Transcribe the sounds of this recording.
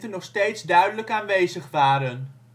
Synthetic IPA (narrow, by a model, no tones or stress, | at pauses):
tənːɔχstejtzdœɥdələkaːnʋejzəχʋaːɾən